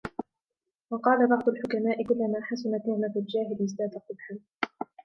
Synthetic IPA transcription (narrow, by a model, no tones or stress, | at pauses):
wɑqɑːlabɑʕt̪ˤʊlħʊkamaːʔɪkʊlːamaːħasʊnat̪ʊmaːfɪld͡ʒaːɦɪlʔɪzd̪aːd̪aqʊbħan